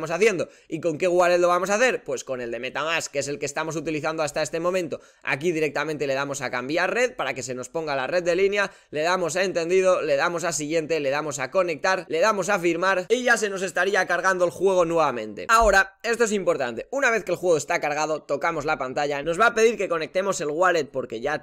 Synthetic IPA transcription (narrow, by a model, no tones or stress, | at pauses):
mo̞saθje̞nd̪o̞ | iko̞ŋke̞ɣwaleðlo̞βamos̬aθe̞ɾpwe̞sko̞ne̞ld̪e̞me̞t̪amaskeese̞lkest̪amo̞s̬ut̪iliθand̪oast̪aest̪emõ̞mẽnt̪o̞ | a̰k̬ið̞iɾe̞k̚t̪amẽnt̪e̞le̞ðamo̞sakambjaɾre̞ðpaɾake̞se̞no̞spo̞ŋɡalare̞ðd̪e̞linja | le̞ð̞amo̞s̬ae̞nt̪e̞nd̪ið̞o̞le̞ðamo̞s̬asiɣje̞nt̪e̞le̞ðamo̞sako̞ne̞k̚t̪aɾle̞ðamo̞s̬afiɾmaɾeʝas̬eno̞s̬e̞st̪aɾiakaɾɣand̪oelxwe̞ɣ̞o̞nwe̞βamẽ̞nt̪e̞̰ao̞ɾae̞st̪oe̞s̬impo̞ɾt̪a̰nt̪e̞unaβ̞e̞θke̞lxwe̞ɣ̞ost̪akaɾɣ̞að̞o̞t̪o̞kamo̞zlapant̪aʝano̞zβape̞ð̞iɾke̞ko̞ne̞k̚t̪e̞mo̞se̞lɣwale̞t̪̚po̞ɾke̞ʝa